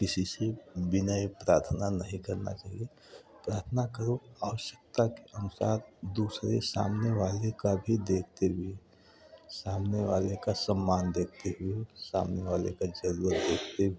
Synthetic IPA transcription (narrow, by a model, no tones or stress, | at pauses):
kɪsisebɪnaepɾaːɾt̪ʰnanəɦĩkəɾna̰t͡ʃaːɦie | pɾaːɾt̪ʰnakəɾoaːʋəʃjək̚t̪akeʔənʊsa̰ːɾd̪uːsɾesa̰ːmneʋaːlekabʱid̪eːk̚ʰt̪eɦʊe | saːmneʋaːlekasəmːaːnd̪eːk̚ʰt̪eɦʊesa̰ːmneʋaːlekad͡ʒəɾuːɾət̪d̪eːkʰt̪eɦe